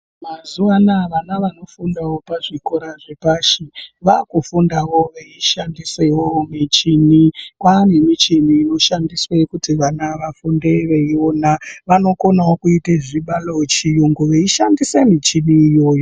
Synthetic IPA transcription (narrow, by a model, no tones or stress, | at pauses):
mazuanaʋanaʋano̞fundawo̞paʐikoɾaʐepaːʃiʋakufundawo̞ʋeiʃandisewomit͡ʃinikwane̞mit͡ʃiniːno̞ʃandiswekutiʋanaʋafunde̞ʋeio̞naʋano̞ko̞nawokuiteʐiɓalot͡ʃijuŋɡuʋeiʃandisemit͡ʃiniːjo̞ːjo